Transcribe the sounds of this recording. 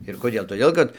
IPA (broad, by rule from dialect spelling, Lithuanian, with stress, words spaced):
ɪr koːˈdʲeːlˠ toːˈdʲeːlˠ kɐt